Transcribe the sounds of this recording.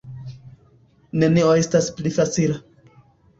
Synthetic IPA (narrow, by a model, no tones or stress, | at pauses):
ne̞nioe̞stasplifat͡sila